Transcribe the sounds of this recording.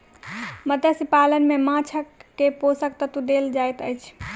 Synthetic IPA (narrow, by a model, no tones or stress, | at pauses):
məd̪ʱəsipalənmemãt͡ʃʰəkːeposəkt̪ət̪ud̪eld͡ʒajt̪əjt͡ʃʰ